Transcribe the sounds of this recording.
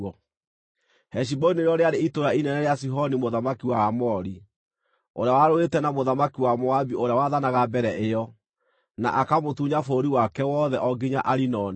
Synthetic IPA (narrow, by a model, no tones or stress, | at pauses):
ɔ | hɛʃ̬ibɔnieɾjɔɾeaɾeitoɾainɛnɛɾeasiɦɔnimoðamakiwaamɔɾi | oɾeawaɾoetɛnamoðamakiwamoabioɾeawaðanaɣabɛɾɛʔeɔ | na̰ʔakamotuɲafoːɾiwakɛwɔðɛʔɔɡiɲaʔaɾinɔn